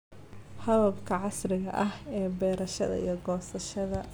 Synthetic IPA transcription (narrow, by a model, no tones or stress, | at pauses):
hɐðɐbkʰɐʕɑsrɪɣɐ̰ʔɐhɛːbɛːɾɐʃɐ̰ðɐ̰ḭjɔɡɔːsɐʃɐðɐ